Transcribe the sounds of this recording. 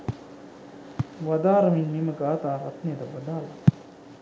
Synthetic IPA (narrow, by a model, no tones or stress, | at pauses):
ʋad̪aːɾɐminmeːməɡaːt̪aːɾat̪nejəd̪ɐʋɐd̪aːlɐ